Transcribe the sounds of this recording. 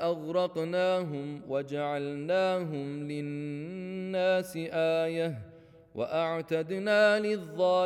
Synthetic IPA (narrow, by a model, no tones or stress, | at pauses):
ʔaɣɾˤɑqnaːɦʊmwad͡ʒaʕalnaːɦʊmlɪː | aːsɪʔaːjah | wa̰ʔaʕt̪ad̪naːlɪðˤːɑː